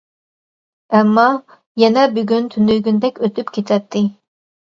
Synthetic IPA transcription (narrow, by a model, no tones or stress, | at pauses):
ɛmːɑ | jɛnɛbyɡʲynt̪ʰynyjɡʲynd̪ɛkʲøt̪ʰypkʲʰet͡ʃ̪ʰɛt̪ʰːɪ